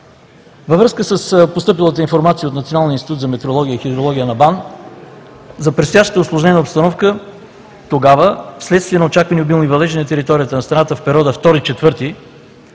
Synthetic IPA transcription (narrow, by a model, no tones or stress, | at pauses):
vəvɾɤskəsəspost̪ɤp̬ilˠət̪əinfoɾmat̪sijəot̪nɐt̪sionalˠniəist̪it̪ut̪zɐmɛt̪ɛɾolˠɔɡʲijəixid̪ɾolˠɔɡʲijənɐban | zɐpɾɛst̪jaʃt̪ət̪əoslˠoʊʒnɛɛnəopst̪ɐnɔfkə | t̪oɡavəfslɛt̪st̪viɛnɐot͡ʃakvəniobilˠnivɐlɛʒɛnnt̪ɛɾit̪ɔɾijət̪ənɐst̪ɾɐnat̪əfpɛɾʲɔd̪əft̪ɔɾit͡ʃɛt̪vɤɾt̪i